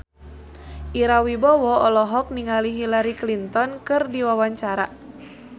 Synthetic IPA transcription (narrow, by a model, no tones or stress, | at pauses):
ʔiɾawibɔwɔɔlɔɦɔk̚niŋaliɦilaɾiklint̪ɔnkɨrdiwawaɲt͡ʃaɾa̰